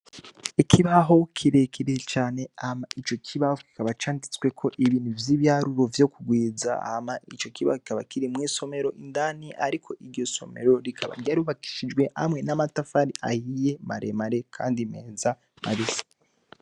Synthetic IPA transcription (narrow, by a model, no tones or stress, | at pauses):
ikʰiβaɦo̞kʰiɾekʰiɾet͡ʃaːne̞amait͡ʃo̞kʰiβahoki̥kaβat͡ʃaːndit͡swe̞kʰo̞ʔiβiːn̥uvjiːβjaɾuɾo̞vjo̞kuɡwiːza̰a̰hamait͡ʃo̞kiβa̰hoki̥kaβakiɾimŋiːso̞me̞ɾo̞ʔindaniʔa̰ɾikʰo̞ʔiɾɟo̞so̞̰me̞̰ɾo̞ɾikʰaβa̰ɾɟaɾuβaki̥ʃid͡ʒɡwe̞ha̰mŋe̞namatafaɾiʔahije̞maɾʔḛmaɾe̞kʰa̰ːndime̞̰ːza | ma̰βisi̥